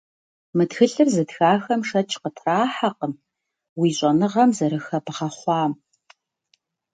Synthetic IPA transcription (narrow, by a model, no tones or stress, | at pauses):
mɨtxɨɬɨrzɨtxaːxɐmʂɐt͡ʃʰqətʰraːħaqəm | wiːɕʼɐnɨʁɐmzɐɾɨxɐbɨʁɐχʷɑːm